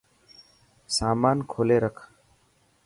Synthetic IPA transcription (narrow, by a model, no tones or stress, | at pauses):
saːmaːnkʰoːleːɾəkʰ